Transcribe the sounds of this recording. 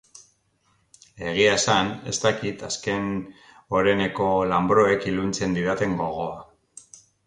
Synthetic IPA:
e̞ɣ̞iaesane̞̰st̪akit̪aske̞n | o̞ɾe̞ne̞ko̞lambɾo̞e̞kilunt͡se̞nd̪iɾat̪e̞ŋɡo̞ɣ̞o̞a

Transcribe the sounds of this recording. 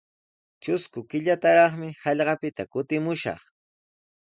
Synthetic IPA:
t͡ʃʊskʊkɪʎat̪aɾɑχmɪhɑʎɢɑpɪt̪akʊt̪ɪmʊʃɑ̰χ

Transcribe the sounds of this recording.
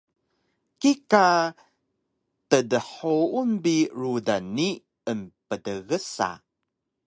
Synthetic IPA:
kika | tədəħounbiɾudani | əmpədəɣəsa̰

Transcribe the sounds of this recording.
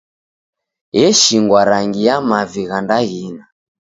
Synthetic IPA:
jɛʃiŋɡwaɾaŋɡijamaviɣandaɣina

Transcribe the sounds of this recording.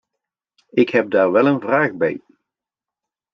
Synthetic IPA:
ɪkɦɛb̚daːɹʋɛlənvraːɣbɛ̰j

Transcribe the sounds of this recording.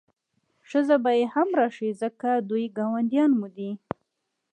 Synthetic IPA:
ʂəzabajehamɾɑʃizəkad̪ujɡɑwand̪jɑnmud̪i

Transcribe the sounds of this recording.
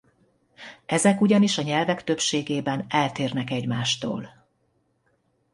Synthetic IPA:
ɛzɛkuɟɒniʃɒɲɛlvɛkt̪øpʃeːɡeːbɛnɛlt̪eːrnɛkɛɟmaːʃt̪o̰ːl

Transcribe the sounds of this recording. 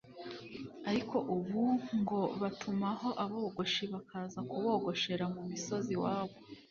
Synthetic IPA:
aɾikʰo̞ʔuβuŋɡo̞βatʰumaho̞ʔaβoːɡo̞ʃiβakʰaːzakuβo̞ɡo̞ʃe̞ɾamumiso̞ziwaːβo

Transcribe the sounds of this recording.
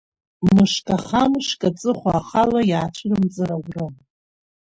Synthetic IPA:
mɨʂkʼaχamɨʂkʼat͡sʼɨχʷaːχalajaːt͡ʃʷʰɨrɨmd͡zʼɨɾawrɨ

